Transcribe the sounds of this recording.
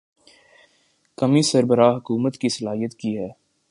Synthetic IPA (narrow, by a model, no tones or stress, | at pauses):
kɐmisɐɾbəɾaːɦɐkuːmət̪kisɐlaːɦijət̪kiɦɛː